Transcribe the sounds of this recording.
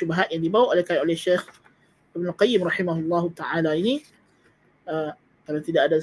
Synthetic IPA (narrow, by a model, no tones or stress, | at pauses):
ʃubaɦat̪̚jaŋdibawaʔolehkanolɛhʃex | ɪbnʊlqajɪmrɑħimaɦulːɑɦut̪aʕalaini | ə | kalawt̪idaʔada